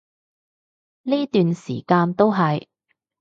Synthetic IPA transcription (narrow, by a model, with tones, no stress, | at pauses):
niː˥t̪yː˨nsḭː˨˩kaː˧nt̪o˥wɦɐ˨j